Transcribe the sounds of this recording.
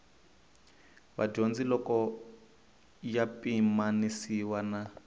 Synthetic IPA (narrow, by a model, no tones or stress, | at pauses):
βa̰ɟond͡zilɔkɔ | japʼimanisiwana